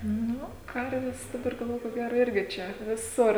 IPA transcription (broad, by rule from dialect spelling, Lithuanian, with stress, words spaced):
ˈnʊ ˈkɐrʲʋʲɛs dɐˈbɐr ɡɐlˠˈʋoːjʊ koː ˈɡʲæːroː ˈɪrʲɡʲɪ ˈt͡ʃʲɛ ʋʲɪˈsʊr